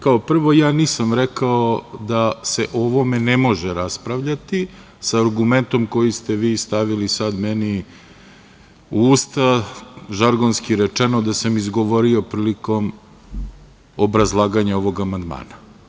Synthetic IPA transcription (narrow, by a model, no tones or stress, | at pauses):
kao̞pr̩ʋo̞jaːniːsamɾekaod̪aseʔoʋo̞menemo̞ʒeɾaspɾaʋʎat̪i | saːɾɡume̞nt̪o̞mko̞jist̪eʋiːst̪aʋilisad̪mɛni | uust̪aʒaɾɡonskiɾɛt͡ʂenod̪asamizɡoʋoɾio̞pɾiːliko̞m | obɾazlˠaːɡaɲao̞ʋo̞ɡamand̪ma̰ːna